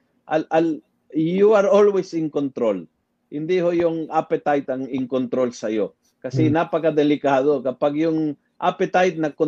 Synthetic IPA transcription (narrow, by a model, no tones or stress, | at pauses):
ʔalʔal | juaɹolwesɪŋkont̪ɾol | hɪnd̪ihojʊŋʔapɛt̪ajt̪ɐŋɪŋkont̪ɾolsɐjo | kɐsɛnapɐkɐd̪ɛlɪkaːd̪o̞kɐpaɡjʊŋ | ʔa̰pɛt̪ajt̪̚nɐko